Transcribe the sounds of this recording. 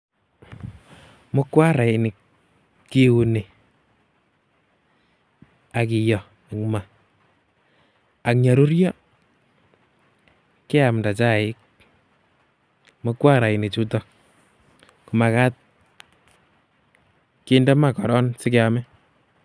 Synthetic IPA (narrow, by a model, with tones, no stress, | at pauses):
mɔ˦kwa˦ɾa˨i˨ni˨ | kːi˦wu˨ne˨ | a˨ki˨jɔ˨ | ni˨kma˨ | a˨k̚ɲa˨ɾu˦ɾjɔ˦ | ke˦a˨mda˨t͡ʃa˦˨ɪ˦k̚ | mɔ˦kwa˦ɾa˨i˨ni˨t͡ʃu˦tɔ˨ | ku˨ma˨ka˦t̚ | ki˦ndɛ˦ma˦kɔ˨ɾɔ˦nsɪ˦ke˦a˨mɛ˦